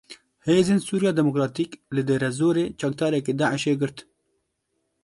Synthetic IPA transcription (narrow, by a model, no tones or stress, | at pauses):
heːzeːnsuːɾjɑːd̪ɛmokɾɑːt̪iːklɨd̪eːɾɛzoːɾeːt͡ʃɑk̚d̪ɑːɾɛkeːd̪aːʕɪʃeːɡɨɾt̪